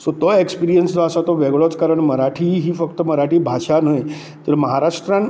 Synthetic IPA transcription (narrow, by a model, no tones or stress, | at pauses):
sot̪ɔekspiɾijənsd͡z̪ɔasat̪ɔʋeɡɭɔt͡skaɾəɳməɾaʈʰiːɦiːfək̚t̪əməɾaʈiːbʱaɕanəj | t̪əɾməɦaɾaʂʈɾãn